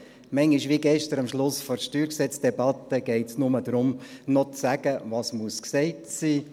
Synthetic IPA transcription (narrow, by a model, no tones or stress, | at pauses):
mɛŋiʃʋiɡɛʃtəɾɑmʃlʊsfɔʃtyːɾksɛt͡sd̥ɛbɑt̪ːəɡ̥ɛɪtsnʊməd̪ɾʊmnɔt͡sæɡ̥əvɑːsmuəsksɛɪtsiː